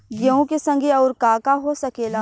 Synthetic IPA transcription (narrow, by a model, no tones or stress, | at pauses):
ɡəõkesɐ̃ŋɡʱeɔːɾkaːkaɦosɐkeːla